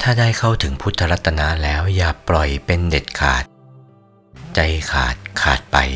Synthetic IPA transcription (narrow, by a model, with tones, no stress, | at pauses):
t̪ʰaː˥˩daː˥˩jkʰa˥˩wt̪ʰɯ˩˦ŋpʰu˦˥t̪ʰːa˧ɾa˦˥t̪ʰːa˧na˦˥lɛː˦˥wjaː˨˩plɔ˨˩jpe˧nde˨˩t̪̚kʰa̰ː˨˩t̪̚ | t͡ɕa˧jkʰa̰ː˨˩t̪̚kʰa̰ː˨˩t̪̚pa̰˧j